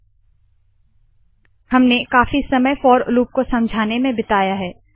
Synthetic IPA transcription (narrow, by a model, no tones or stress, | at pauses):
hɐmnekaːfisɐməjfɔːɾʊluːp̚kosɐ̃md͡ʒʱaːnemẽbɪt̪aːjaɦɛː